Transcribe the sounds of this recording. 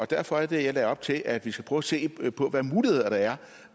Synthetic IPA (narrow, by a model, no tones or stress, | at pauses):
ɒ̽d̥æɐ̰fɒ̽æɐd̥e̝jalɛɒ̽b̥t͡sʰe̝lʔæd̥ʋisɡ̥æ̥pʰʁœʊɐse̝̰ːpʰɒ̽ʋæmuːlihe̝ð̞̰ˠɐɾ̥ɑ̈æɐ